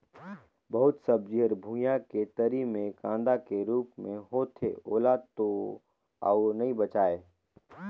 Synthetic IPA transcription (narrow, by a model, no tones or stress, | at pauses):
bɐɦʊt̪sɐb̚d͡ʒiɦəɾbʱũjaket̪ɐɾimẽkãːnd̪akeɾuːpmẽɦoːt̪ʰeoːlaːd̪̚t̪o | aːʊnɐɦĩbət͡ʃaːeː